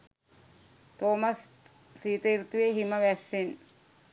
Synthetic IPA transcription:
t̪oːmɐs | siːt̪ɐiɾt̪uʋeɦimɐʋæsːen

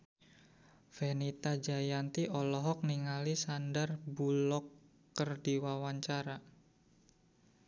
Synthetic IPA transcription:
fenit̪ad͡ʒajant̪iʔɔlɔɦɔk̚niŋalisandərbulɔkː | ərdiwawaɲt͡ʃaɾa

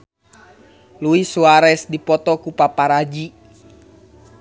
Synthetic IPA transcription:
luisuaɾɛsdipɔt̪ɔkupapaɾad͡ʒi

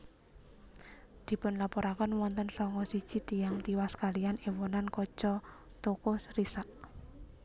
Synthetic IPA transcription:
d̪̥i̤pʊnlapɔɾakənwɔnt̪ənsɔŋɔsid̥ʒ̥i̤t̪ijaŋt̪iwaskalijanewɔnankɔ̥ʒ̥ɔ | t̪okosrisaʔ

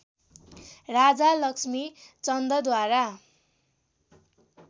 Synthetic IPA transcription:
rad͡zalʌksmit͡sʌnd̪ʌd̪waɾa

